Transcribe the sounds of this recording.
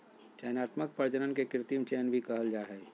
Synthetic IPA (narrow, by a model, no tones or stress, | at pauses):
t͡ʃɛːnaːt̪mək̚pəɾd͡ʒənənkekɾɪt̪imt͡ʃeːnbʱikəɦəld͡ʒaɦɛː